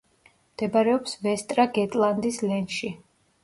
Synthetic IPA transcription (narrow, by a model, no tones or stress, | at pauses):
md̪̥ɛbaɾɛɔpsvɛst̪ʼɾaɡɛt̪ʼlˠand̪islɛnʃi